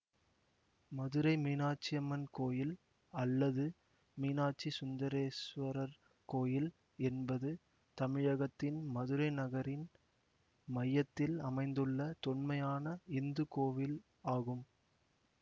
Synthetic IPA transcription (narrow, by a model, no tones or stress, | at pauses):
mɐðɯɾɐɪmiːnaːʈ̚t͡ʃːɪjɐmɐnkoːjɪl | ɐlːɐðɯ | miːnaːʈ̚t͡ʃːisʊnd̪ɐɾeːsʋɐɾɐɾ | koːjɪl | ɛnbɐðɯ | t̪ɐmɪɻɐɣɐt̪ːɪnmɐðɯɾɐɪnɐɣɐɾɪn | mɐjːɐt̪ːɪlɐmɐɪnd̪ɯɭːɐt̪ɔɳmɐjaːnɐɪnd̪ɯkoːʋɪl | aːɣɯm